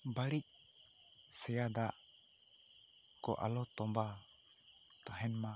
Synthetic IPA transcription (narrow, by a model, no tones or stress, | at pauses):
baɽic̚ | sɛjad̪aʔ | kɔ̰ʔa̰lɔt̪ɔmba | t̪aɦɛnma